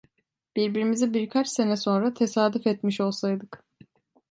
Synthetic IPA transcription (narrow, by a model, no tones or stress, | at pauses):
b̥iɾbiɾimizibiɾkʰat͡ʃse̞nɛso̞nɾat̪ʰe̞saːd̪ufɛt̪miʃo̞lˠsajd̪ɯk